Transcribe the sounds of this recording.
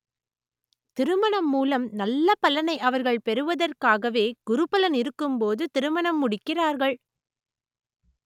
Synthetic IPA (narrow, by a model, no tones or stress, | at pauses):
t̪ɪɾɯmɐɳɐmːuːlɐmnɐlːɐpɐlɐnɐɪʔɐʋɐɾɣɐɭpɛɾɯʋɐðɐrkaːɣɐʋeːɡ̥ʊɾɯpɐlɐnɪɾɯkːɯmpoːðɯt̪ɪɾɯmɐɳɐmːʊɽɪkːɪraːɾɣɐɭ